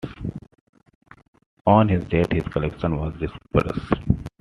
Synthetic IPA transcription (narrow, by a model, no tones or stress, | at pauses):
ɔ̃ːnɦɪzɖeʈhɪzkəlɛkʃə̃nʋɔːzɖɪspə̰ɾə̰s